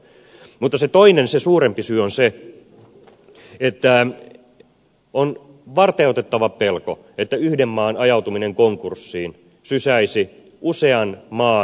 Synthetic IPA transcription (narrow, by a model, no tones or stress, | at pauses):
mut̪ːɑset̪oinensesuːɾempisyøonse | et̪ːæ | on | ʋɑrt̪eˑot̪et̪ːɑʋɑpelko | et̪ːæyhdemːɑːnɑjɑut̪umineŋkoŋkursːiːn | sysæisi | ʔuseɑnmɑː